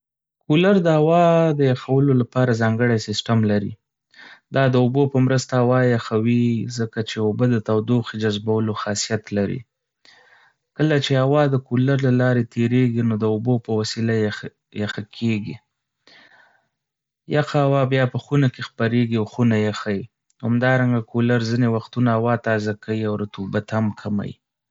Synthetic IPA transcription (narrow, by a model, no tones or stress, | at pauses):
kulaɾd̪əhawɑd̪əjaxawəlolapɑɾazɑŋɡəɽajsɪsʈamlaɾḭ | d̪ɑd̪əubopəmɾəst̪ahawɑjaxawizəkat͡ʃeʊbəd̪ət̪awd̪oxid͡ʒazbawəloxɑsijat̪laɾḭ | kəlat͡ʃehawɑd̪əkulaɾlalɑɾet̪ʰeɾeɡinod̪əʊbopəwasilaj | jaxakʰeɡi | jaxaawɑbjɑpəxunakexpaɾeɡiawxunajaxaji | hamd̪ɑɾaŋɡakʰolaɾzinewaxt̪unaawɑt̪ɑzakawiawɾat̪ubat̪hamkʰama̰jḭ